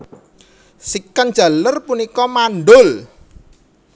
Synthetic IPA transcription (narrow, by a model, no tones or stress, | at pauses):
sikand̥ʒ̥a̤lərpunikɔmanɖʊl